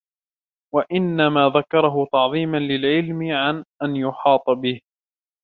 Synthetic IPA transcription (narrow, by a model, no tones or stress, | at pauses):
waʔɪnːamaːðakɑɾˤɑɦʊt̪ɑʕðˤiːmanlɪlʕɪlmɪʕanʔanjʊħɑːt̪ˤbɪh